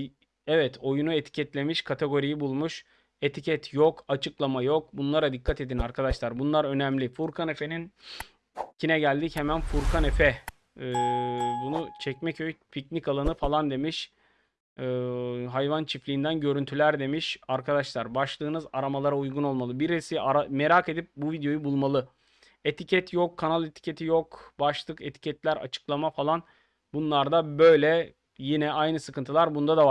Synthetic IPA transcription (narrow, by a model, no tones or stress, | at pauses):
ɛvɛt̪ʰo̞junue̞t̪ʰi̥cʰɛt̪lʲe̞miʃkʰat̪ʰe̞ɡo̞ɾijibulˠmuʃ | e̞t̪ʰicʰɛt̪ʰjokʰat͡ʃʰɯklˠamajo̞k̚bunlˠaɾad̪ikʰːat̪e̞d̪inaɾkʰad̪aʃlˠaɾbunlˠaɾø̞nɛmlʲifuɾkʰane̞fe̞nin | cʰinɛɟælʲd̪ichemænfuɾkʰane̞fɛ | bunut͡ʃʰɛcmɛcøjpʰicnickalˠanɯfalˠand̪e̞miʃ | ɦajvant͡ʃʰiflʲiind̪ænɟø̞ɾynt̪ʰylʲæɾd̪e̞miʃaɾkʰad̪aʃlˠaɾbaʃlˠɯːnɯzaɾamalˠaɾaujɡuno̞lˠmalˠɯbiɾisiaɾame̞ɾake̞d̪ip̚buvid̪ejo̞jubulˠmalˠɯ | e̞t̪ʰicʰɛt̪jokʰːanalˠet̪ʰi̥cʰe̞t̪ʰijokbaʃlˠɯke̞t̪ʰi̥cʰɛt̪lʲæɾa̰t͡ʃʰɯ̥klˠamafalˠan | bunlˠaɾd̪abø̞jlʲɛ | jinɛajnɯsɯkʰɯnt̪ʰɯlˠaɾbund̪ad̪ava